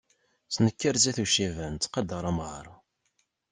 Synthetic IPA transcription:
t͡sːnəkːəɾzæθuʃivænt̪ːqɑd̪ɑɾˤɑmʁə̰ɾˤ

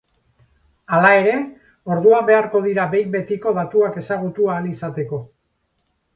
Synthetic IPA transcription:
alae̞ɾe̞ | o̞ɾðuambe̞aɾko̞ð̞iɾabe̞jbe̞t̪iko̞ðat̪uake̞saɣ̞ut̪uaːnisat̪e̞ko̞

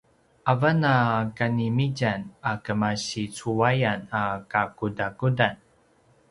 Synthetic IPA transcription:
ʔavanakanimiɟanakəmaɕit͡suajanakakudakudan

